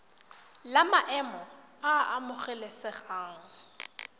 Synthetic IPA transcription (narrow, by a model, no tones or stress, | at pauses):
lamaʔɛmɔ | aʔamʊχɛlesɪχaːŋ̩